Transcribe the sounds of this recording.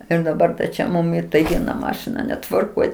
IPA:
ɪr dɐˈbɐr t͡ʃʲɛ ˈmʊm ɪ tɐɪ ˈʋʲiɛnɐ ˈmɑːʃʲɪnɐ nʲɛtʋɐrˈkoːj

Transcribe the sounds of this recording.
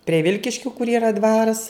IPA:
pʲrʲiɛ ˈʋʲɪlʲkʲɪʃʲkʲʊ kʊr iːˈrɐ ˈdʋɑːrɐs

